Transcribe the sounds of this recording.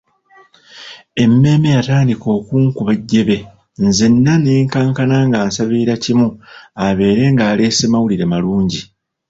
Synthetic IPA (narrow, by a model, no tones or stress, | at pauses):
e̞mːe̞ːme̞jataːndiko̞ːkuːŋkuβaɟːe̞βe̞ | nzenːane̞ːŋkaːŋkanaŋɡaːnsaβiːɾacimuaβe̞ːɾe̞ːŋɡaːle̞ːsimawuliɾemaluːɲɟi